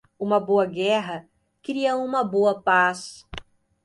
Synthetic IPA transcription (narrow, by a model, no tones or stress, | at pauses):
ũmɐboɐɡɛɦɐ | kɾiɐũmɐboɐpas